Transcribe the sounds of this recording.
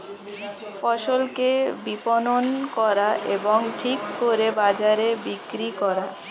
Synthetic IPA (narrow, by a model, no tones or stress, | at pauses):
fɔʃolkebipononkɔɾaʔḛboŋʈʰikːoɾebad͡ʑaɾebikɾikɔɾa